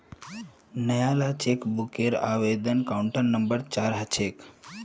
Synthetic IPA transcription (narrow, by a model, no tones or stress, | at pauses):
nəjalat͡ʃekbukeɾa̰ʋed̪ənkauɳʈəɾnəmbəɾt͡ʃaɾɦat͡ʃʰek